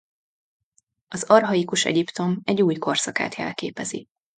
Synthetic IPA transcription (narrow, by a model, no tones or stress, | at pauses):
ɒzɒrɦɒikuʃɛ̰ɟipt̪o̞mɛɟːuːjko̞rsɒka̰ːt̪ɛ̰lkeːpɛzḭ